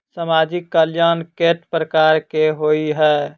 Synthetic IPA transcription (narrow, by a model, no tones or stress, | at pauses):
samad͡ʒikːəljankeʈpɾəkaɾkeɦoiɦɛː